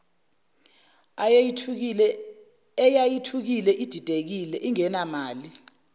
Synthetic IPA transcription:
ɛjajitʰuk̬ilɛʔid̥ʱid̥ʱek̬ilɛʔiŋɛnamaːli

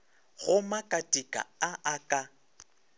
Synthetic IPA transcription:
ɣʊmakʼatʼikʼa̰aʔakʼa

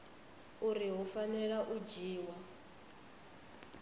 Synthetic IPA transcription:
uɾiɦufanɛɺaʔud͡ʒiːwa

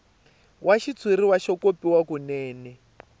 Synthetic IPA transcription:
waʃit͡sʰwiɾiwaʃɔkopiwakunɛːnɛ

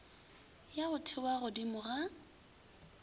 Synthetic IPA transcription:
jaɣʊtʰɪwaɣʊdimʊɣa

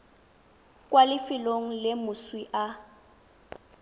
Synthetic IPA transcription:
kʼwalɪfɪloŋ̩lɪmʊswiʔa

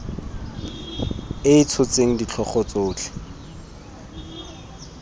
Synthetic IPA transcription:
ɪɪt͡sʰʊt͡seŋ̩dit͡ɬʰɔχɔt͡soːt͡ɬɪ̥

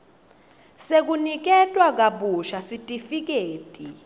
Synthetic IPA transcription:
sek̬unik̬ɛtʼwak̬aɓuʃasitʼifik̬ʼeːtʼi

